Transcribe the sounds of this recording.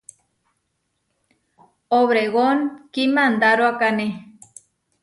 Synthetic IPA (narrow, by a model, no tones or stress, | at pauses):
oβɾeɣonkimand̪aɾoakane